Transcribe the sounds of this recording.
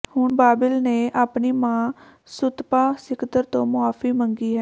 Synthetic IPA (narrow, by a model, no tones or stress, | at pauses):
hʊɳbaːbɪlneːʔaːpniːmãː | sʊt̪paːsɪkt̪əɾt̪õːmʊaːfiːməŋɡiːɦɛː